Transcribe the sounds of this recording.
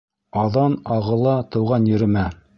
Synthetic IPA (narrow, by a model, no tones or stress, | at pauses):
ɑðɑnɑʁɤ̆lˠɑt̪ɤ̆wʁɑnjɵ̆ɾɘ̆mæ